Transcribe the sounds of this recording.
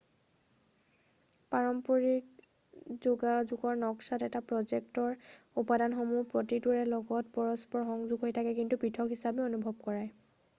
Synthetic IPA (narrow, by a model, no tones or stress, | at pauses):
paɹɔmpoɹik̚ | zuɡazuɡɔɹnɔksatɛtapɹɔzɛktɔɹupadanxomupɹotituɹɛlɔɡɔtpɔɹɔspɔɹxɔŋzuɡɦojtʰakɛkintupɹitʰɔkɦisabɛonubʱɔb̚kɔɹaj